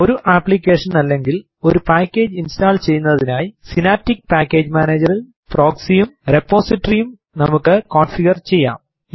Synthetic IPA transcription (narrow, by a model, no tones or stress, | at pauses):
o̞ɾuʔaːplikʲːe̞ːʂɐnɐlːe̞ŋɡil | o̞ɾupaːkʲːe̞ːd͡ʑinstaːlt͡ɕe̞jːunːɐðinaːjisinaːtːikːpaːkːe̞ːd͡ʑmaːneːd͡ʑɐril | pro̞ːksijumrepːo̞ːsiʈːɐrijum | nɐmukːɨkoːnfiɡɐrt͡ɕe̞jːa̰ːm